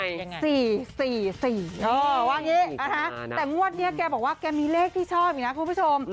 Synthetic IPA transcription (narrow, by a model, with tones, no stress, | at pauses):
siː˨˩siː˨˩siː˨˩ʔɤː˧waː˧˩ŋiː˦˥a˧˩na˦˥t̪ɛː˨˩ŋu˥˩ət̪̚ni˦˥ɐkɛː˧bɔː˨˩k̚waː˥˩kɛː˧miː˧leː˥˩k̚t̪ʰiː˥˩t͡ɕʰɔː˥˩p̚ʔna˦˥kʰu˧pʰu˦˥t͡ɕʰo˧m